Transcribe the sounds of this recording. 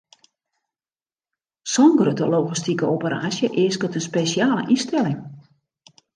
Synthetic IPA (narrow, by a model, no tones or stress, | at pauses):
sɔŋɡəɾətəlowɣistikəopəɾa̰ːsjəʔɪəskətənspesjaːlə̰ʔistɛlɪŋ